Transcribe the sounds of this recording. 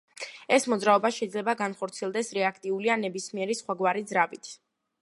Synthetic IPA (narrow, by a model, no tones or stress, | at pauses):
ɛsmɔd̪zɾaɔbaʃɛid̪zlɛbaɡanχɔɾt̪sʰiɛlˠd̪ɛsɾɛakʰt̪ʼiulianɛbismiɛɾisχwaɡwaɾid̪zɾavit̪ʰ